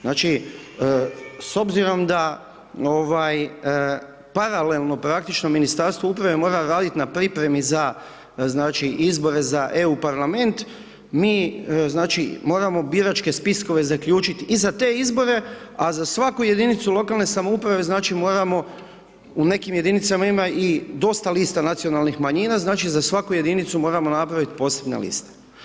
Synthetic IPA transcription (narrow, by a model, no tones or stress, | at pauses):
znaːt͡ʃi | so̞bziɾo̞md̪a | o̞ʋaj | paɾale̞lˠno̞pɾak̚t̪it͡ʃno̞minist̪aɾst̪ʋoupɾaʋe̞mo̞ːɾaɾaːd̪it̪napɾipɾe̞miza | znaːt͡ʃiʔizbo̞ɾe̞zaʔe̞upaɾlame̞nt̪ | miːznaːt͡ʃimo̞ːɾamo̞biːɾat͡ʃke̞spisko̞ʋe̞zakʎuːt͡ʃit̪izat̪e̞izbo̞ɾe̞azasʋakuje̞d̪init̪sulˠo̞kalˠne̞samoupɾaʋe̞znaːt͡ʃimo̞ːɾamo̞ | une̞kimje̞d̪init̪samaimaʔid̪o̞st̪aliːst̪anat̪sijo̞nalnixmaɲiːnaznaːt͡ʃizasʋakuje̞d̪init̪sumo̞ːɾamo̞napɾaʋit̪po̞ːse̞bnḛlḭst̪e̥